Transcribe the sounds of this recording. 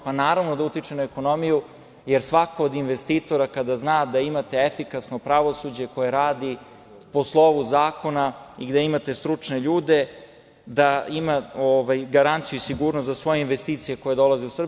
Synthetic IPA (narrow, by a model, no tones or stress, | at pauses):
panaːɾaʋnod̪aut̪it͡ʃenaeko̞no̞miju | je̞ɾsʋako̞ːd̪inʋe̞st̪iːt̪o̞ɾakad̪aznaːd̪aimat̪e̞efikasno̞pɾaʋosud͡ʑe̞ko̞jeɾaːd̪i | po̞slˠo̞ʋuzaːko̞naiɡd̪eimat̪e̞st̪ɾut͡ʂne̞ʎuːd̪e̞ | d̪aimaoʋajɡaɾant̪sijuisiɡuːɾnost̪zasʋo̞jeinʋe̞st̪iːt̪sije̞ko̞jed̪o̞lazeusr̩b